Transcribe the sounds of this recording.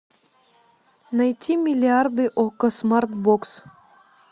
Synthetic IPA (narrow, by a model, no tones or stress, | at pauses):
nɐjt̪ʲʰimʲilʲiard̪ɨʔokəsmart̪̚boks